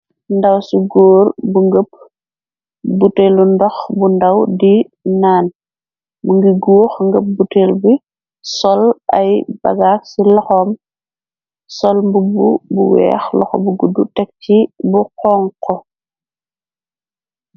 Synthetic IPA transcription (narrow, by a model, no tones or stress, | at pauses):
ndɐwsuɡoːrbuŋɡəp̚ | butelundɔxbundɐwdi | naːn | buŋɡiɡuːxŋɡəp̚buteːlbi | sɔlɐjb̥ɐ̰ɡaːksilɔxɔːm | sɔlmbububuwɛ̰ːxlɔ̰xɔ̰buɡudːutɛk̚tibuqɔːŋkɔ